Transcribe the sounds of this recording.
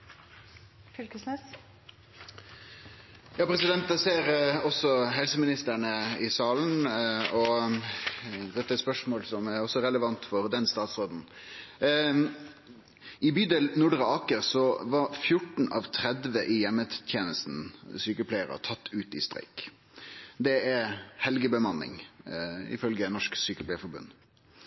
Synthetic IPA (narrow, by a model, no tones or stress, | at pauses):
fʏlkəsnɛs | jɑːpʰɾɛsɪd̪ɛnt̪ɛseːɾɔsɔɦɛlsəmɪnɪst̪əɳəɪsɑːln̩ɔ | d̪ɛt̪ːæɛspœʂmoːlsɔmæɾɔsɔɾɛləʋɑnt̪fɔɾd̪ɛnst̪ɑːt̪sʁoːd̪n̩ | ɪbyːd̪ɛlnʊɖɾəɑːkəɾsɔʋɑɾfjʊʈɳ̩ʔɑ̰ʋt̪ʰɾɛd̪ʋəʔɪjɛmːət̪ʰjeːnəst̪n̩syːkəpʰlæɪəɾə̰t̪ʰɑt̪ːʉːt̪ɪ̰st̪ɾæ̰ɪk | d̪ɛæhɛlɡəbəmɑnːɪ̰ŋ | ɪ̰fœlɡənɔʂksyːkəplæɪfɔɾbʉ̰nː